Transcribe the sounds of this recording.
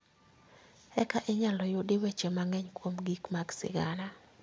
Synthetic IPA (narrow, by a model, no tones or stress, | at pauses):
ɛkaʔeɲalɔjʊdɪwɛt͡ʃɛmaŋɛɲkwomɡikmaɡsɪ̰ɡala